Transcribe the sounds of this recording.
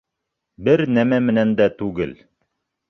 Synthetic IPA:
bɘɾnæmæmɘ̆nænd̪æt̪ʉɡɘl

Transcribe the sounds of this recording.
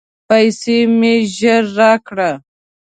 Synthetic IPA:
pajsemeʒəɾːɑkɽa

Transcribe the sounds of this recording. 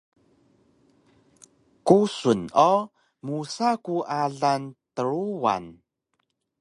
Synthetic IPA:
kusuno | musakuaɮantəɾuwa̰n

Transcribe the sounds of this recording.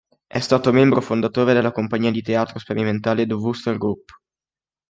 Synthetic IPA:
ɛ̰st̪aːt̪omɛmbɾofond̪at̪oːɾed̪elːakompaɲːiːad̪it̪eaːt̪ɾospeɾiment̪aːled̪uvust̪elɡɾupː

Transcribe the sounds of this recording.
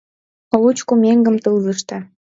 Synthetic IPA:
olut͡ɕkumʲeŋɡə̆mt̪ɯlzəʃt̪ə̆

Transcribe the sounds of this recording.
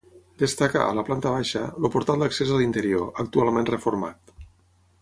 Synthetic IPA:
d̪əst̪aka̰ə̰ləplant̪əβ̞aʃəlupuɾt̪alˠd̪əksezalint̪əɾioʔək̚t̪ualˠmenrəfuɾma̰t̪

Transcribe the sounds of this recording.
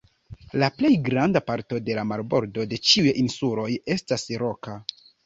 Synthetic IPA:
laple̞jɡɾandapaɾto̞de̞lamaɾbo̞ɾdo̞de̞t͡ʃiujinsulo̞je̞stasɾo̞ka

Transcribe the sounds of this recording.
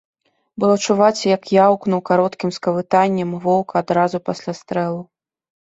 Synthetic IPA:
bɨlˠɔt͡ʂuvat͡sʲjɐkjawknuwkaɾɔt̪kʲimskɐvɨt̪anʲːɐmvɔwkɐad̪ɾazupasʲlʲast̪ɾɛlˠu

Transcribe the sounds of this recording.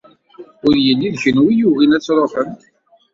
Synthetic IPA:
ʊɾjəlːiðçənwijuɣinæt͡sːɾˤofən

